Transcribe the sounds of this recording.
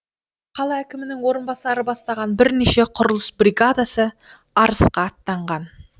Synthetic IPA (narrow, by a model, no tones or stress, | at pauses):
qʰɑlˠɑækʲɪmɪnɪŋwo̞ɾənbɑsɑɾəbɑst̪ɑʁɑnbɪɾneʃe̞qʰʊɾəlˠəsbrʲiɡad̪asə | ɑɾəsqɑːt̪ːɑɴʁɑn